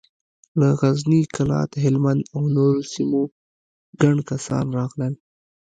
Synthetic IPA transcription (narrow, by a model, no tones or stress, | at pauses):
laɣaznikalɑ̰t̪ɦɪlmand̪awnoɾosimo | ɡaɳkasɑ̰nɾɑɣləl